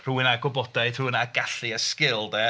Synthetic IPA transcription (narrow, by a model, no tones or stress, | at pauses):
r̥uːɪnaɡɔbɔdajdruːɪnaɡ̥aɬɨəskɪlˠdɛ